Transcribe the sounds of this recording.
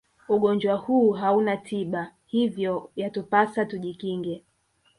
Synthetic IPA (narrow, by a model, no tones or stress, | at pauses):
uɠɔɲd͡ʒwahuːɦaunatʰiɓahivjɔjatupasatuʄikiŋɡɛ